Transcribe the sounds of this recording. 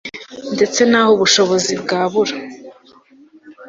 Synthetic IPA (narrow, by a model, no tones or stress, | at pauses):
nde̞t͡se̞naːhoβuʃo̞βo̞zibɡaːβuɾa